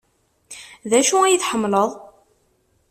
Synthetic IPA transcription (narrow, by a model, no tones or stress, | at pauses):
ðæʃuæjiθħəmːləðˤ